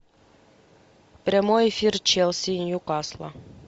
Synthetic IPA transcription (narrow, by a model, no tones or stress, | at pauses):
pɾʲemojfirt͡ʃelˠsʲinjukaslˠa̰